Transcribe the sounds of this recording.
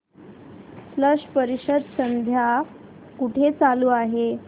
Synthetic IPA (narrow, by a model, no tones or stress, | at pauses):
fləʂpəɾiɕəd̪sənd̪ʱja | kuʈʰet͡saluːaɦe